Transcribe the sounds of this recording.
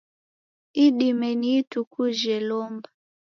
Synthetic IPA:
iɗimɛniːtukuʒɛlɔmba

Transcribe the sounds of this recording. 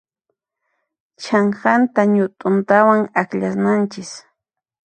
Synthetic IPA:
t͡ʃaŋɢant̪aɲʊt̪ʼʊnt̪awaŋakʎasnant͡ʃɪs

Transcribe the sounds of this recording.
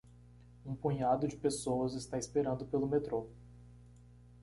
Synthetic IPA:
ũpũɲad̪ʊd͡ʒɪpesowɐzɪst̪aispeɾɐ̃nd̪ʊpelʊmet̪ɾo

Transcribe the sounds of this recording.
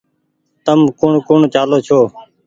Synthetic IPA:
t̪əmkʊɳkʊɳt͡ʃaːloːt͡ʃʰoː

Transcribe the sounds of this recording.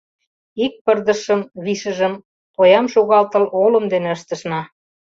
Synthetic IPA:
ik̚pərd̪ə̆ʃə̆mβiʃə̆ʒə̆m | ojɑmʃoɣɑlt̪ɤ̆lolə̆md̪eneəʃt̪ə̆ʃnɑ

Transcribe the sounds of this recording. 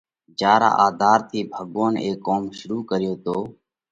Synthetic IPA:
d͡ʒaːɾa̰ːʔaːd̪ʱaːɾt̪ʰiːbʱəɠoːneːkːoːmʃʊɾuːkəɾɪjoːt̪oː

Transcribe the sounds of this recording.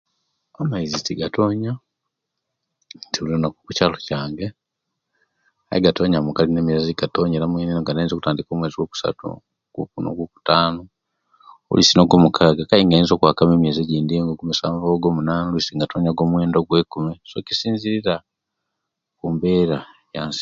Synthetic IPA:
amaizitiɡatoːɲa | ntiulionakukucaːlocaːŋɡe | a̰jiɡato̞ːɲamukalineːmieziɡatoːɲeɾamwenenoŋɡanainzo̞kutaːndiko̞ːmweːziɡwoku̥sa̰tṵ | kṵkuno̰ɡoku̥taːno | o̰lisinoɡo̞mukʰaːɡakajiŋɡainzo̞kwakameːmjeːzeɟiːndieŋɡoɡumusaːɱvoɡo̞ːmunaːnolisiŋɡatoːɲaɡo̞ːmwe̞ːndo̞ɡwe̞ːkumeso̞̰ci̥siːɲziɾiɾa | kumbe̞ːɾajaːnsi̥

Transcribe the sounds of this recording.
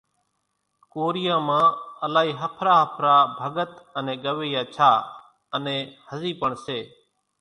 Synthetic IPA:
koːɾɪjãːmãːəlaːɦiːɦəpʰɾaːɦəpʰɾaːbʱəɠət̪ənẽːɠəʋeːjaːt͡ʃʰaː | ənẽːhəziːpəɳseː

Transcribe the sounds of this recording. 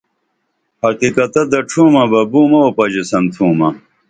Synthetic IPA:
hɐqikɐt̪ɐd̪ɐʈ͡ʂʰũːmɐbɐbuːmɐwopɐd͡ʑesɐnt̪ʰũːmɐ

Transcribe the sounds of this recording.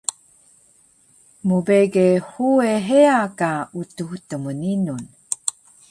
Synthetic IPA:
mubeɡehueɦeakautuhtəmuninun

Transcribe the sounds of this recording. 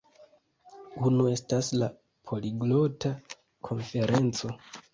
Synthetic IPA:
unue̞stasla | pʰo̞liɡlo̞tʰa | kʰo̞nfe̞ɾe̞nt͡so̞

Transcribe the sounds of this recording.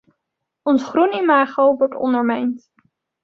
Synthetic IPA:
ɔnsχrunimaːχowʋɔɹtɔ̰ndəɹmɛjnt

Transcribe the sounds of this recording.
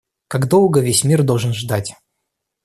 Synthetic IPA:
kaɡd̪o̞lˠɡəvʲesʲmʲird̪olˠʐɨənʐd̪atʲ

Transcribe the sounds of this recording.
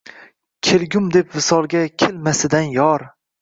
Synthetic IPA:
kʲʰelɡʲʊmd̪e̞pvɪsɒlˠɡʲakʲʰelmasɪd̪anjɒɾ

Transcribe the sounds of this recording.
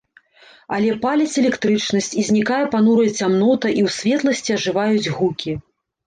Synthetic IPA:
ɐlʲɛpalʲɐt͡sʲɛlʲɛkt̪ɾɨt͡ʂnɐsʲt͡sʲizʲnʲikajɛpanuɾɐjt͡sʲamnɔt̪ɐʔiwsʲvʲɛt̪lˠɐsʲt͡sʲiɐʐɨvajud͡zʲɣukʲi

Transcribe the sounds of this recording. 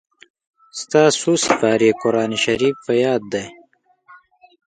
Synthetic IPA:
st̪aːsuːsifaːɾiekoɾaːniɕɐɾiːfːɐjaːd̪̚ːɐj

